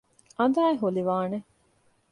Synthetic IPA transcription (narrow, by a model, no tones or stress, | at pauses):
ɐnd̪aːeɦuliʋaːne